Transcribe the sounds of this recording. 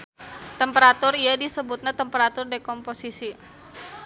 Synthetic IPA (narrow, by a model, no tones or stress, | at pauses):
t̪əmpəɾat̪ʊrijadisəbut̪̚ɲat̪əmpəɾat̪ʊrdekɔmposisi